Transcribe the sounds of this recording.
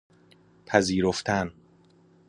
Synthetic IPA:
pʰæziːɾoft̪ʰæn

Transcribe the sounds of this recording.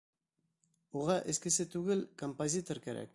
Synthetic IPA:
uʁɑʔeskɘ̆sɘt̪ʉɡɘlkompozʲit̪oɾkæɾæ̰k

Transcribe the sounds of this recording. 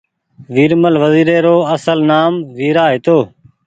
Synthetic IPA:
ʋiːɾməlʋəziːɾeːɾoːəsəlnaːmʋiːɾaːɦeːt̪oː

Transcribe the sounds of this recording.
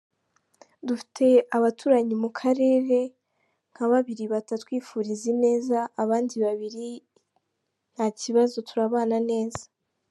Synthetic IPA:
dufi̥tʰe̞aβatʰuːɾaɲimukʰaɾe̞ːɾe̞ | ŋ̥haβaβiɾiβatatwiːfuɾizine̞ːzaːβaːndiβaβiɾi | n̥haciβazo̞tuɾaβaːnane̞ːzḁ

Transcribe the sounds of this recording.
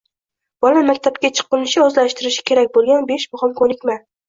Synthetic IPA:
b̥ɒlamakʲt̪ʰapkʲat͡ʃʰɨ̥qːɨnɪʃɪɒzlaʃt̪ɪɾɪʃɪ̥kʲʰe̞ɾakʲbolˠɡʲanbeʃmʊχɒmkʰonɪkʲma

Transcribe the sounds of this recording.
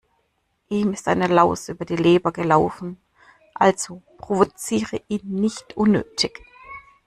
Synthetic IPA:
ʔiːmɪstʔaɪnəlaʊsʔyːbɐdiːleːbɐɡəlaʊfn̩ | ʔalz̥opʁ̥ovot͡siːʁəʔiːnːɪçtʔʊnːø̰ːtʰɪç

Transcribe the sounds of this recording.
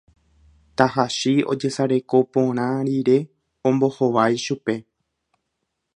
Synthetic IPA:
t̪aɦaʃio̞̰d͡ʒe̞saɾe̞ko̞põ̞ɾ̃ãɾiɾe̞ | õmbo̞hoʋajʃupe̞

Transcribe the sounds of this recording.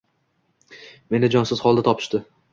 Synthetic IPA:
me̞nɪd͡ʒɒnsɪzχɒlˠd̪at̪ɒpʰɪ̥ʃt̪ɪ

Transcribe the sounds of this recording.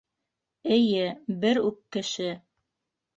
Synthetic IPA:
ɘ̆jɘbɘɾʉkːɘ̆ʃɘ

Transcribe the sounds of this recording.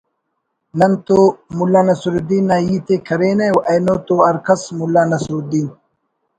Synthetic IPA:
nɐnt̪oːmulːaːnɐsuɾud̪iːnːaːjiːt̪eːkʰɐɾeːnawʔɐjnoːt̪oːɐɾkʰɐsmulːaːnɐsɾud̪iːn

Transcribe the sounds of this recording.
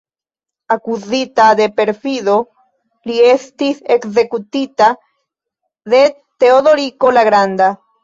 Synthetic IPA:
akuzit̪aðepeɾfiðo | liest̪isekzekut̪it̪a | ðe | t̪eoðoɾikolaɣɾand̪a

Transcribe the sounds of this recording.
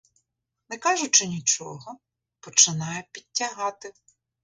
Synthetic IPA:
nɛkɑʒʊt͡ʃɪnʲit͡ʃɔ̰ɦɔ | pɔt͡ʃɪnɑjɛpʲid̚ʲtʲːɐɦɑt̪ɪ

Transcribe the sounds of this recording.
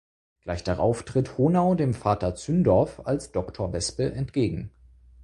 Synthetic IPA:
ɡ̥laɪçd̥aʁa̰ʊftʁ̥ɪthoːnaʊdeːmfaːtɐt͡syndɔɐfa̰lsd̥ɔktʰoːɐvɛspəʔɛntɡ̥eːɡŋ̩

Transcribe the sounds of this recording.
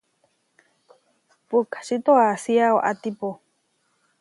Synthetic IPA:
pukḁʃit̪oasiaoʔat̪ipo

